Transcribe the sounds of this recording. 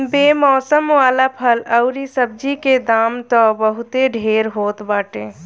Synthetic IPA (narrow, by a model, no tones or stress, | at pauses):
beːmɔːsəmwaːlapʰələʊɾisəb̚d͡ʒiked̪aːmt̪ɔbəɦʊt̪eɖʱeːɾɦoːt̪baːʈẽ